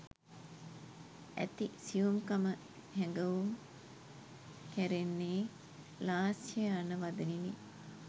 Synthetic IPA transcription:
æ̰t̪isiʋumkamə | hɛŋɡəʋum | kæɾenːeː | laːsjejanəʋad̪ənini

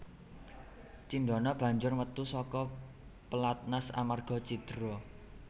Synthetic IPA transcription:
t͡ʃinɖ̪ɔnɔb̥ä̤ɲd͡ʒʊrwət̪usɔkɔ | pəlat̪̚nasa̰marɡ̥ɔ̤t͡ʃid̪̥ɾɔ

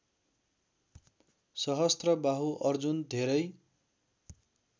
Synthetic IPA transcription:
sʌɦʌst̪rʌbaɦuʔʌrd͡zund̪ʱeɾʌj

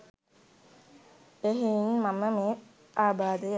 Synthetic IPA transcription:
eɦinmaməmeː | ʔaːbaːd̪e

